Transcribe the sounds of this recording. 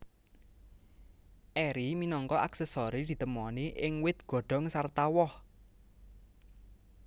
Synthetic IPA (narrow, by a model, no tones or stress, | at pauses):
ʔɛɾiminɔŋkɔʔaksɛsɔɾid̪̥i̤t̪əmɔniʔɪŋwɪt̪̚ɡ̥ɔ̤ɖ̥ɔ̤ŋsart̪awɔh